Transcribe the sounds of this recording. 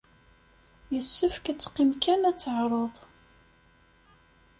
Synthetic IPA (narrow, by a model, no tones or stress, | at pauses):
jəsːəfkæt͡sːqːimkænæt͡sːəʕɾˤəðˤ